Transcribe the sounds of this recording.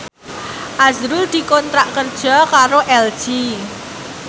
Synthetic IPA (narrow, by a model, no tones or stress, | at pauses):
ʔazɾuld̪̥i̤kɔnt̪ɾaʔkərd̥ʒ̥ɔ̤kaɾoʔɛld̥ʒ̥i